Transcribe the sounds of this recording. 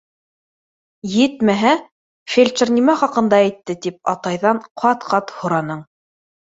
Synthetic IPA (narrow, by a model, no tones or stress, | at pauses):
jɘt̪mæɦæ | fʲelʲt͡ʃɘrnʲimæχɑqɤ̆nd̪ɑæjt̪ːɘt̪ip̚ɑt̪ɑjðɑɴqʰɑt̪qɑt̪hŏɾɑnɤɴ